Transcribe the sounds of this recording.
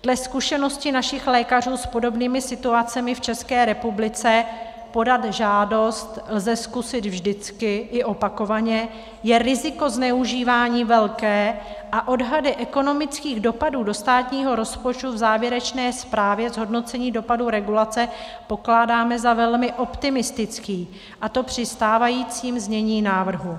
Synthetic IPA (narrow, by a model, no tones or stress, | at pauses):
d̥lɛskuʃɛno̞scɪnaʃɪxlɛːkar̝uːspo̞do̞bniːmɪsɪt̪uat͡sɛmɪft͡ʃɛskɛːɾɛpublɪt͡sɛ | po̞dat̪ʒaːdo̞st̪lzɛskusɪt̪vʒdɪt͡skɪʔɪʔo̞pako̞vaɲɛ | jɛɾɪzɪko̞znɛuʒiːvaːɲiːvɛlkɛː | ʔaʔo̞dɦadɪʔɛko̞no̞mɪt͡skiːɣdo̞paduːdo̞st̪aːt̪ɲiːɦo̞ɾo̞spot͡ʃt̪uvzaːvjɛɾɛt͡ʃnɛːspɾaːvjɛzɦo̞dno̞t͡sɛɲiːdo̞paduɾɛɡulat͡sɛpo̞klaːdaːmɛzavɛlmɪʔo̞pt̪ɪmɪst̪ɪt͡skiː | ʔat̪o̞pr̝̥ɪst̪aːvajiːt͡siːmzɲɛɲiːnaːvr̩ɦu